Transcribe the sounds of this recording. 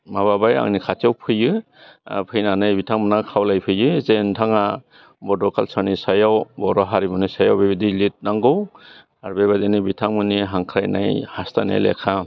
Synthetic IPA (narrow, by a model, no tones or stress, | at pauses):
maβabaja̰ŋnikʰatawpʰɯjɯ | pʰɯjnanɯjbitʰaŋmɯnakʰawlajpʰɯjɯzentʰaŋa | bɔdɔkalsanisajawbɔɾɔɦaɾibɯnisajawbibidilit̚naŋɡɯw | aɾbeβadenibitʰaŋmɯniɦaŋkʰɾajna̰jhastanḛlḛkʰa